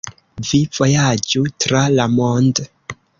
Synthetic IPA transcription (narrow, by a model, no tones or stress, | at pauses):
viv̥o̞jad͡ʒutɾalamond